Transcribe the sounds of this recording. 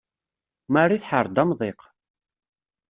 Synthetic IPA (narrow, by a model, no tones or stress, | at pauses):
marːiθħəɾˤd̪ɑmðˤeq